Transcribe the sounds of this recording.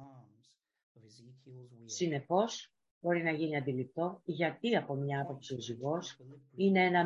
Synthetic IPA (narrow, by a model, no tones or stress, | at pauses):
sine̞fo̞s | bo̞ɾinɐʝiniɐnd̪ilip̚t̪o̞ʝɐt̪iɐpo̞mɲɐɐpo̞psioziɣo̞sine̞e̞nɐ